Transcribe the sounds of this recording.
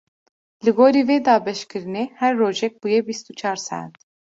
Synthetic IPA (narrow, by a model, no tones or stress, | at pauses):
lɨɡoːɾiːveːd̪ɑːbɛʃkɨɾɨneːhɛɾːoːʒɛk̚bujɛbist̪ut͡ʃʰɑːɾsæ̰ːd̪